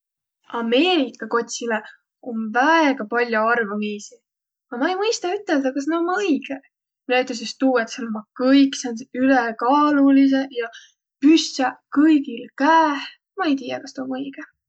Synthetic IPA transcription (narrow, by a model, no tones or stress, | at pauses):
ɑme̞ːɾikˑːɑko̞t̪ʲsile | o̞nvæeɡ̥ɑpɑlʲjoɑrvumiːsi | ɑmɑejmɤjst̪ɑyt̪ːˑe̞ld̪ɑkɑs̬neomɤjɡ̥e | minæyt̪ːˑes̬est̪uːet̪selomɑkɤjkːˑseonseylekɑːlulis̬e̞jɑ | pyssɑkɤjɡilkæːh | mɑe̞jt̪iːjɑkɑst̪eomɤjɡ̥e